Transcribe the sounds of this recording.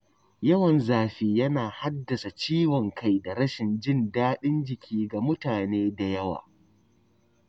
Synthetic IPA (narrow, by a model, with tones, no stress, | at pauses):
jɐ˦wɐ˨nzaː˨ɸiː˦jɐ˦naː˨ha˦dːɐ˨sa˨t͡ʃiː˦wɔ˨ŋkʰa˦jda˨ɽɐ˦ʃɪ˨nd͡ʒɪ˦ndaː˦ɗɪ˦nd͡ʒɪ˨kʲʰiː˦ɡa˨mʊ˦taː˨neː˦da˨jɐ˦wa̰ː˨